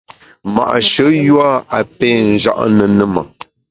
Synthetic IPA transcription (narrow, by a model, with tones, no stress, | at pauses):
ma̰˨ʔʃə˨˦jwa˦a˨pɛ˦n̩˨d͡ʒa̰˦˨ʔnə˨nə˦ma̰˨